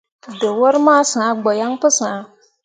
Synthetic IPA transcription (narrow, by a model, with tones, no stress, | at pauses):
də˨wɔ˦ɾmaː˦sã˨a˦ɡ͡bɔ˨ja˦ŋpɨ˦sã˨˦